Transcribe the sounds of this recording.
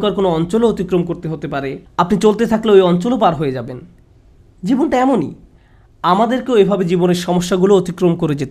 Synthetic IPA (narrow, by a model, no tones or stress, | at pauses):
kaɾkonoɔnt͡ɕoloot̪ikɾomkoɾt̪eɦot̪epaɾeapnit͡ɕolt̪et̪ʰakleoejɔnt͡ɕolopaɾɦoed͡ʑaben | d͡ʑibonʈaɛmonḭ | amad̪eɾkeoebʱabed͡ʑiboneɾʃɔmoʃːaɡuloot̪ikɾomkoɾed͡ʑet̪